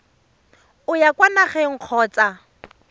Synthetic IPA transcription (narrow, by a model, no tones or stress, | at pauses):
ʊjakwanaχɛŋ̩q͡χʰɔːt͡sʼa